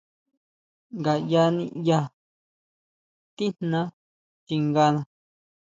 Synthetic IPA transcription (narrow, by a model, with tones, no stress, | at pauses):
ŋɡa˨ja˧nĩ˧ja˧ | t̪i˦nnã˧ | t͡ʃi˧ŋɡa˧nã˧